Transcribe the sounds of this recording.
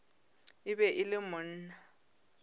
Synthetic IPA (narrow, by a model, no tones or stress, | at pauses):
ɪbɛʔɪlɪmʊn̩na